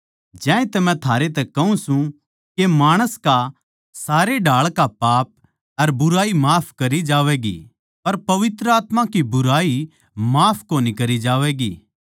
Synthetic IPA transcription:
d͡ʒɛ̃ːẽt̪ɐmɛ̃t̪ʰaːɾet̪ɛkɐũsũ | kemaːɽ̃əska | saːɾeɖaːɭkapaːp̚ | ɐɾbʊɾaːimaːpʰkɐɾid͡ʒaːʋɛːɡḭ | pɐɾpɐʋɪt̪ɾəaːt̪mãkibʊɾaːi | maːpʰkoːnikɐɾid͡ʒaːʋɛːɡḭː

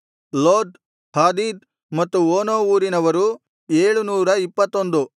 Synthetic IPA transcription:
loːd̪ | haːd̪iːd̪̚ | mɐt̪ːuoːnoːuːɾinɐʋɐɾu | eːɭunuːɾɐipːɐt̪ːond̪u

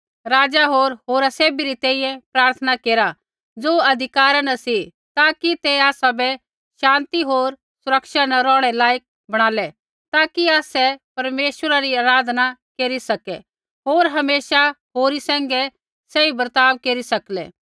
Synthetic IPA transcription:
ɾaːd͡ʒaɦoːɾɦoːɾaseːbiɾit̪ɛ̃ːĩjɛ̃pɾaːɾt̪ʰənakeːɾa | d͡zoːɐd̪ʱɪkaːɾanɐsi | t̪aːkit̪ɛaːsabɛ | ʃãːnt̪iɦoːɾ | sʊɾəkʃanɐɾɔ̃ːɽ̃ɛlaːjək̚ | bɐɽ̃aːlɛ | t̪aːkiaːsɛpɐɾmeːʃwəɾaɾiaːɾaːd̪ʱnakeːɾisɐkɛ | ɦoːɾɦɐmeːʃaɦoːɾisɛ̃ːŋɡɛ | sɛibɐɾt̪aːʋkeːɾisɐklɛ̰ː

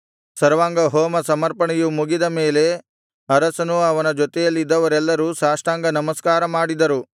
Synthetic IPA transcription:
sɐɾʋaːŋɡɐɦoːmɐsɐmɐɾpɐɳɛjumuɡid̪ɐmeːle̞ | ɐɾɐsɐnuɐʋɐnɐd͡ʒɔt̪ɛjɐlːid̪ːɐʋɐɾɛlːɐɾuːsaːʂʈaːŋɡɐnɐmɐskaːɾɐmaːɽid̪ɐɾu

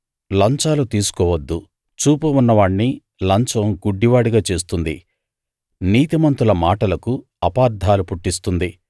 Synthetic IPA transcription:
lɐɲt͡ʃaːlut̪iːsu̥kɔːʋɐd̪ːu | t͡ʃuːpɐunːɐʋaːɳni | lɐɲt͡ʃɐmɡuɖːiʋaːɽiɡaːt͡ʃe̞ːs̬t̪und̪i | niːt̪imɐnt̪ulɐmaːʈɐlɐku | ɐpaːɾd̪ʱaːlupuʈːist̪und̪i

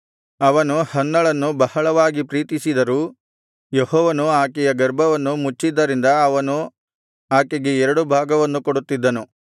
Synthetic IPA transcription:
ɐʋɐnuhɐnːɐɭɐnːubɐhɐɭɐʋaːɡipɾiːt̪isid̪ɐɾuː | jehɔːʋɐnuaːkɛjɐɡɐɾbʱɐʋɐnːumut͡ʃːid̪ːɐɾind̪ɐːʋɐnu | aːkɛɡeɛɾɐɽubʱaːɡɐʋɐnːukoɽut̪ːid̪ːɐnu

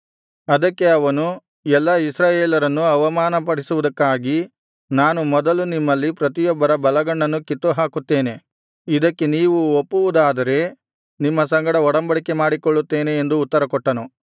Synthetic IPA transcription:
ɐd̪ɐkːe̞ɐʋɐnu | ɛlːɐisɾaːjeːlɐɾɐnːuɐʋɐmaːnɐpɐɽisuʋud̪ɐkːaːɡi | naːnumɔd̪ɐlunimːɐlːipɾɐt̪̬ijɔbːɐɾɐbɐlɐɡɐɳːɐnːukit̪ːuɦaːkut̪ːe̞ːne̞ | id̪ɐkːe̞niːʋuopːuʋud̪aːd̪ɐɾe̞ | nimːɐsɐŋɡɐɽɐɔɽɐmbɐɽike̞maːɽikɔɭːut̪ːe̞ːneːnd̪uːt̪ːɐɾɐkɔʈːɐnu

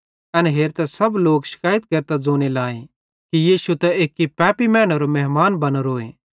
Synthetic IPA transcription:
ɐnɦeːɾt̪ɛsɐbloːkʃɪ̥kaːjət̪̚keɾt̪ad͡zoːɽ̃elaːẽ | kijiːʃut̪ɛeːkːipɛːpimɛːɽ̃ɐɾomɛɦmaːnbɐnoɾoːe

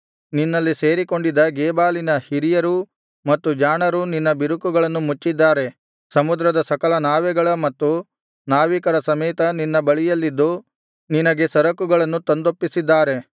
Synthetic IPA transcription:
ninːɐlːise̞ːɾiko̞ɳɖid̪ɐɡeːbaːlinɐhiɾijɐɾu | mɐt̪ːud͡ʒaːɳɐɾuninːɐbiɾukuɡɐɭɐnːumut͡ʃːid̪ːaːɾe̞ | sɐmud̪ɾɐd̪ɐsɐkɐlɐnaːʋɛɡɐɭɐmɐt̪ːu | naːʋikɐɾɐsɐmɛːt̪ɐninːɐbɐɭijɐlːid̪ːu | ninɐɡe̞sɐɾɐkuɡɐɭɐnːut̪ond̪opːisid̪ːaːɾe̞

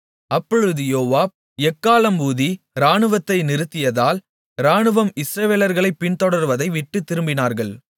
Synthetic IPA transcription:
ɐpːɔɻɯðɯjoːʋaːb̚ | ɛkːaːlɐmuːði | ɾaːɳɯʋɐt̪ːɐɪnɪɾɯt̪ːɪjɐðaːl | ɾaːɳɯʋɐmɪsɾɐʋeːlɐɾɣɐɭɐɪpːɪnt̪ɔɽɐɾʋɐðɐɪʋɪʈːɯt̪ːɪɾɯmbɪnaːɾɣɐɭ

